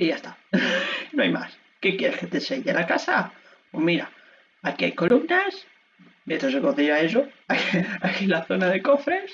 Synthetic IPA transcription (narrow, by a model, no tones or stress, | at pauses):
iʝast̪a | nõa̰jma̰s | kekjeɾesket̪eseʎelakasa | pomiɾa | akiajko̞lumnas | met̪os̬eɣoθiaesoakakilaθonaðekofɾes